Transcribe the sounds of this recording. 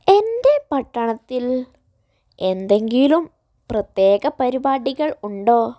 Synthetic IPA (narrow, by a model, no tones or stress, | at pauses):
e̞nde̞pɐʈːɐɳɐt̪ːil | ʔe̞nd̪e̞ŋɡilum | prɐt̪je̞ːɣɐpɐɾibaːɽiɣɐɭuɳɖo̞ː